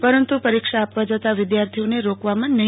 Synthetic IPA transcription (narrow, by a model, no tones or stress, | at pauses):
pəɾənt̪upəɾikʃaːpʋad͡ʒət̪aʋɪd̪jaɾt̪ʰioneɾokʋamãnə